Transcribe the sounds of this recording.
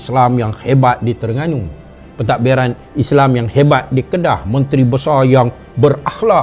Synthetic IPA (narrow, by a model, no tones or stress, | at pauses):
slamjaŋhebat̪̚dit̪ərŋanu | pət̪aʔ̚biɾan | islamjaŋhebat̪̚dikədahmənt̪ɾibəsajaŋ | bərahla